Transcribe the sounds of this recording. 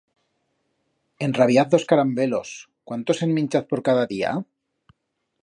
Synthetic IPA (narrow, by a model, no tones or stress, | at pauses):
e̞nraβ̞jaθðo̞skaɾambe̞lo̞s | kwant̪o̞senmĩnʲt͡ʃaθpoɾkaðaðia̰